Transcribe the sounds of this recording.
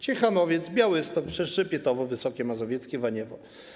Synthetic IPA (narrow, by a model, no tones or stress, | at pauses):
t͡ɕɛxanɔvʲjɛt̪zbʲjawɘst̪ɔpʂɛʂɘpʲjɛt̪ɔvɔvɘsɔkʲɛmazɔvʲɛt̪skʲɛvaɲɛvɔ